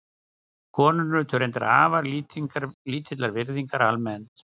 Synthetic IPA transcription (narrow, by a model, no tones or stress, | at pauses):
kʰɔːnʏnʏt̪ʰœɾejnt̪a̰ɾa̰ːvaɾliŋkaɾliːt̪ʰɪt̪laɾvɪɾðiŋkaɾalmɛnt̪